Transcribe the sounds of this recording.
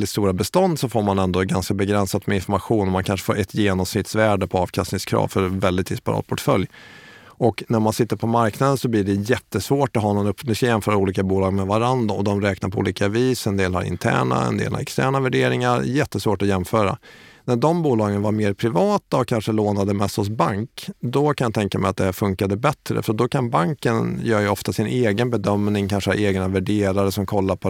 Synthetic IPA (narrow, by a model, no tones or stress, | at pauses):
ɪt̪st̪uːɾabɛst̪ɔnd̪sɔfoːɾmanɛnd̪ɔɡanskabɛɡɾɛnsat̪mɛɪnfɔɾmaɧuːnɔmankʰanʂə̥fo̰ːɾʔɛt̪jeːnɔmsnɪt̪svæːɖəpʰɔɑːvkʰast̪nɪŋskʰɾɑ̰ːvfœɾvɛld̪ɪt̪d̪ɪspa̰ɾɑ̰ːt̪̚pʰɔʈfœljʔɔknæɾmansɪt̪ːəɾpʰɔmaɾknad̪ənsɔbliːɖɛjɛt̪ːəsvoːʈɔɦɑːnːɔnɵpːnɵskajɛmfœːɾaɾuːliːkabuːlɑːɡmɛvaɾand̪ɾaɔd̪ɔmɾɛːknaɾpʰɔṵːliːkaviːsɛnd̪eːlha̰ɾɪ̰nt̪ʰæ̰ːɳa̰ɛ̰nd̪ḛːlha̰ɾɛ̰kst̪æːɳavæɖeːɾɪŋaɾjɛt̪ːəsvoːʈɔjɛmfœːɾa̰næɖɔmbuːlɑːɡənvaɾmeːɾpʰɾɪvɑːt̪aɔkʰːanʂəloːnad̪əmɛst̪hɔs̬baŋkd̪ɔkʰanjɑt̪ʰɛŋkamɛjat̪̚d̪ɛhæːɾfɵŋkad̪əbɛt̪ɾə̰fœɾad̪ɔkʰanbaŋkənjœːɾjɵɔft̪asɪnʔeːɡənbɛd̪œmnɪŋkʰanʂəhaɾeːɡnavæɖeːɾaɾəsɔmkʰɔlːaɾpʰɔ